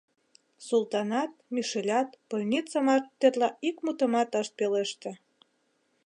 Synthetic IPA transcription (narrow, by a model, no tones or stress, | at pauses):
sulˠt̪ɑnɑt̪̚miʃelʲɑt̪pəlʲnʲit͡səmɑt̪ːerlɑʔikmut̪ə̆mɑt̪əʃt̪̚peleʃt̪ĕ